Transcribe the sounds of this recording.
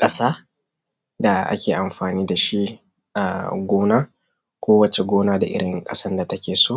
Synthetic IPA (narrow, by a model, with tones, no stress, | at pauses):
kʼɐ˦saː˦ | da˨ʔa̰˦kʲeː˨ʔa˨mɸaː˨niː˦da˨ʃi˦ | ʔa˨ɡʷoː˦naː˦ | kʷoː˦wɐ˦t͡ʃe˨ɡʷoː˦naː˦da˨ʔɪ̰˦ɽɪ˨˦ŋkʼɐ˦sɐ˦nda˨tɐ˦kʲeː˨soː˦